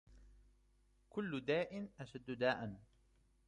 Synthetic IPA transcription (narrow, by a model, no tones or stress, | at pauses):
kʊlːʊd̪aːʔɪnʔaʃad̪ːʊd̪aːʔan